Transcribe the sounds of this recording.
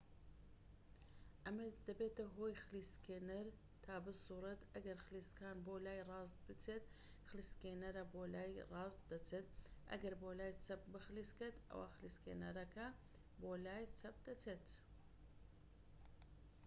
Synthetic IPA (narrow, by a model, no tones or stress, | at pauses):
ʔɐmɐd̪ɐbeːt̪ɐɦoːjxɨliskeːnɐɾ | t̪ʰaːbɨsuːɾɨt̪ɐɡɐɾxɨliːskaːnbolaːjrɑːst̪̚bɨt͡sʰeːt̪ | xɨliskeːnɐɾɐboːlaːjrɑːzt̪d̪ɐt͡sʰeːt̪̚ʔɐ̰ɡɐɾboːlaːjt͡sɐp̚bɨxɨlisket̪ɐ̰wa̰ːxɨliskḛnɐɾɐkɐ | boːlaːjt͡sʰɐp̚d̪ɐt͡sʰeːt̪